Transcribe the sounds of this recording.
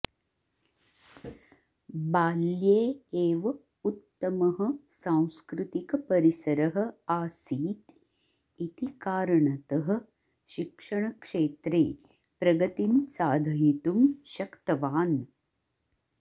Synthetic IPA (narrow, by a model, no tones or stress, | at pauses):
baːljeːeːʋɐ | ut̪ːɐmɐɦəsãːw̃skɾut̪ikpɐɾisɐɾɐɦɐ̆aːsiːt̪ | it̪ikaːɾɐɳɐt̪əɦə̆ | ʃikʂɐɳ̃ɐkʂeːt̪ɾeː | pɾɐɡɐt̪insaːd̪ʱɐɦit̪umɕɐkt̪ɐʋaːn